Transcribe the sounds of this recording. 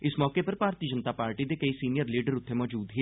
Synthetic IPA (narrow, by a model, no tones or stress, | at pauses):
ɪsmɔːkepɐɾbaːɾt̪iːəd͡ʒənt̪aːpaːɾʈid̪ekəisiːnijəɾliːɖəɾʊt̪ʰːemɔːd͡ʒuːd̪ɦi